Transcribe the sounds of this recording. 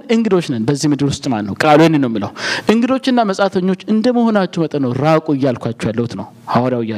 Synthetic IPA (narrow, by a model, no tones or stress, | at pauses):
ʔɨŋɡɨd̪o̞t͡ʃːnənbəzːihmɨd̪ɨɾwʊst̪ʼmanːəwkʼaluenːenːəwjmːilə̰wʔɨŋɡɨd̪o̞t͡ʃːɨnːaməsʼat̪ʰəɲːo̞t͡ʃːɨnd̪əməho̞nat͡ʃːumət̪ʼənəwɾakʼuɨjːalkʷʰat͡ʃːɛwjalːəhut̪nəw | hawaɾjawɪja